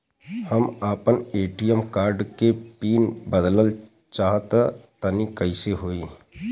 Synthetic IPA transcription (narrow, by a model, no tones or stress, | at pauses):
həmaːpəneːʈijəmkaːɾɖkepiːnbəd̪ləl | t͡ʃaːɦət̪ət̪ənikəɪseɦoːiː